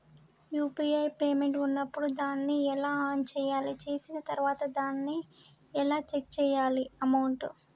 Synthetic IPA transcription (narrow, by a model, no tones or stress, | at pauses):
juːpiɐjpeːme̞ɳʈunːɐpːuɽud̪aːnːiɛlaːɦaːnt͡ʃɛːjaːlit͡ʃe̞ːsinɐt̪ɐɾuʋaːt̪ɐd̪aːnːi | ɛlaːt͡ʃek̚t͡ʃɛːjaːliɐmɐwɳʈ